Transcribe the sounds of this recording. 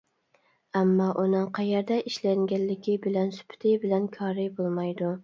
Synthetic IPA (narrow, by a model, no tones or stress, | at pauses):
æmːɑʔunɨŋqʰɑjɛɾd̪ɛʔiʃlæŋɡʲænllɪɡʲɪbɪlɛnsy̥pʰt̪ʰɪbɪlɛnkʲʰɑːɾɪbolˠmɑjd̪ʊ